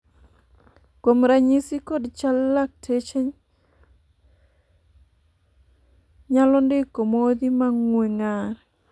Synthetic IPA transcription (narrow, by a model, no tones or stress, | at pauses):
komɾaɲisikodt͡ʃalːak̚tʰet͡ʃe | ɲalɔndɪkomod̪imaŋweŋaɾ